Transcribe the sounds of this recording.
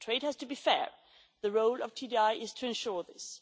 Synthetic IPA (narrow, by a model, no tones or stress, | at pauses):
tʰɹ̥eɪd̚hɨz̥tʰɨbifɛ̰ɹ | ðɨɹoʊlˠʌv̥tʰidiaɪʔɪz̥tʰɨɨ̃nʃʊɹðɪs